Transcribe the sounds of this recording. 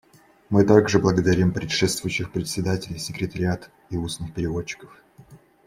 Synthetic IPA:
mɨt̪aɡʐɨblˠəɡəd̪ɐɾʲimpɾʲɪtʂɛt̪st̪vʊjʊɕːɪxpɾʲɪt̪ʲsʲɪd̪atʲɪlʲɪjsʲɪkɾʲɪt̪əɾʲɪat̪ | iusnɨxpʲɪɾʲɪvo̞t͡ɕːɪ̥kə̥f

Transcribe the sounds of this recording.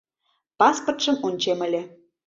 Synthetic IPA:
pɑspŏrt̪ʃə̆munʲt͡ɕemə̆lʲĕ

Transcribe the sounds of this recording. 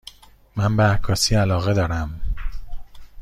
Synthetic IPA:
mæmbeækʰːɒːsiːælɒːɣed̪ɒːɾæm

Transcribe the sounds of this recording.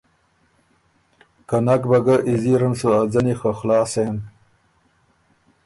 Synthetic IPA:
kanakbɐɡaʔiziɾɐnsuad͡zɐnixaxlɑːsen

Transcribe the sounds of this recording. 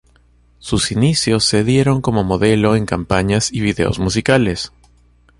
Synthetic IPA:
susinisjo̞sːe̞ðje̞ɾo̞ŋko̞mo̞mo̞ðe̞lo̞e̞ŋkampaɲasiβiðe̞̰o̞̰zmusikale̞s

